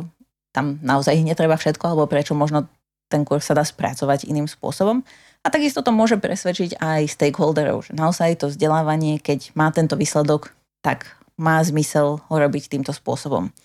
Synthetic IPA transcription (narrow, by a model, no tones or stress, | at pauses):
t̪amnaɔzajiɲɛt̪ɾɛbafʃɛt̪kɔalɛbɔpɾɛt͡ʃɔmɔʒnɔ | t̪ɛŋkuɾxsad̪aːspɾa̰t͡sɔʋaɟḭniːmspʊɔ̰sɔbɔm | at̪aɡist̪ɔt̪ɔmʊɔʒɛpɾʔɛsʋɛt͡ʃiɟajst̪ɛjɡɦɔld̪ɛɾɔ̰ʊʒɛnaɔzajt̪ɔvzɟɛlaːʋaɲɪɛkɛɟmaːt̪ɛnt̪ɔʋiːslɛd̪ɔk | t̪aɡ | maːzmisɛlɦɔɾɔbict̪iːmt̪ɔspʊɔsɔbɔ̰m